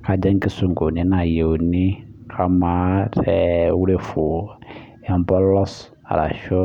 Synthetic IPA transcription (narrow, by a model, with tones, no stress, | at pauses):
kʰa˨d͡ʒa˦ŋ˦kɪ˦sʊ˨ŋ˨ko˨nɪ̃˦na˨je˨wnɪ˦kʰa˨ma˦tɛ˨wu˦ɾe˦fʊ˨ | ɛ˨m˦bɔ˦lɔ˦s | a̰˨ɾa̰˨ʃɔ˦